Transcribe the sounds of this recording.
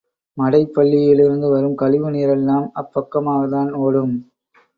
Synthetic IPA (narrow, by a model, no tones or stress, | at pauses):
mɐɽɐɪpːɐɭːɪjɪlɪɾɯnd̪ɯʋɐɾɯmkɐɭɪʋɯniːɾɛlːaːmɐpːɐkːɐmaːɣɐðaːnoːɽɯm